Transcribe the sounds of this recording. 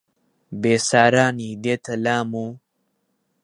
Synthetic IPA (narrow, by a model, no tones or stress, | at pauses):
beːsaːɾaːnid̪et̪ʰɐlaːmu